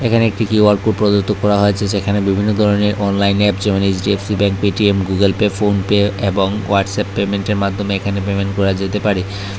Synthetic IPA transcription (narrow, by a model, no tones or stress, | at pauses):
ekʰaneek̚ʈikiaɾ̚kuʈ̚pɾod̪oɾt̪ʰːokɔɾaɦoet͡ɕʰeʃekʰanebibʱinːod̪ʱɔɾoneɾʔɔnlajnɛpd͡ʑɛmened͡ʑɖiefsibɛŋk̚piʈiemɡuɡelpefonpeeboŋwaʈsɛpːemeɳʈeɾmad̪ʱːomeekʰanepemenkɔɾad͡ʑet̪epaɾi